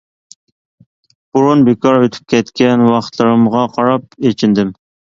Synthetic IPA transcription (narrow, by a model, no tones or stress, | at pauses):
b̥uɾunbekʰɑɾøt̪ʰy̥p̚kʲʰɛt̪kʲʰɛnwɑχt̪ʰlˠɨɾɨmʁɑqʰɑɾɑp̚et͡ʃʰind̪ɪm